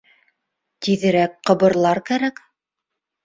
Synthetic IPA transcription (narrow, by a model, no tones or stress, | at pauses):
t̪iðɘ̆ɾækqɤ̆βɤ̆ɾlˠɑɾkæɾæk